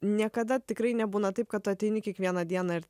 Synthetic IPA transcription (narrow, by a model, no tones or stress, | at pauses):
nʲiɛkɐd̪ɐt̪ʲɪkɾɐɪnʲɛbuːnɐt̪ɐɪp̚kɐt̪oːt̪ʲɛɪnʲɪkʲiɛkʋʲiɛnɐd̪ʲiɛnɑɪɾ